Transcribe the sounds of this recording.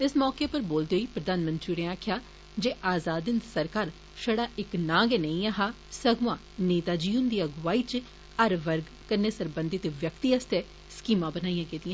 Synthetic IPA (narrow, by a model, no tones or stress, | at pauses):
ɪsmɔːkeːpəɾboːld̪eːɦoiːpɾəd̪aːnmə̃nt̪ɾiːɾẽːaːkʰjaː | d͡ʒeːʔaːzaːd̪ɪnd̪səɾkaːɾ | ʃəɽaːʔɪknãːɡenəĩːaːɦaː | səɡʋãː | neːt̪aːd͡ʒiːʊnd̪iːəɡʋaːiːt͡ʃ | əɾʋəɾɡ | kəɾneːsəɾbə̃nd̪ɪt̪ːʋjəkt̪iːəst̪eː | skiːmãːbənaːijãːɡeːd̪ɪjãː